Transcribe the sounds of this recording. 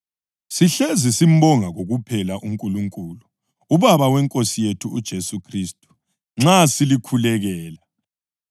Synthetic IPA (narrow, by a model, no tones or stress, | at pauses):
siɬezisim̩bɔŋaɣoɣupʰɛlaʔuŋkʼuluŋkʼulu | uβaβawɛŋkʼosijetʰuːd̥ʒ̥ʱesukʰristʼu̥ | ŋ͡ǁasilikʰulɛɣɛːla